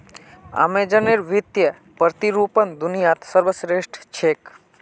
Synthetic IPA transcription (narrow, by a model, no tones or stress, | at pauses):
a̰med͡ʒəneɾʋit̪jə | pəɾt̪iɾuːpənd̪unijat̪səɾʋəsɾeʂʈʰt͡ʃʰeːk